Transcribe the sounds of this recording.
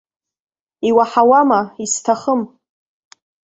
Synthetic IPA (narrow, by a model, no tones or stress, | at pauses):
iwaħawamaistʰaχəm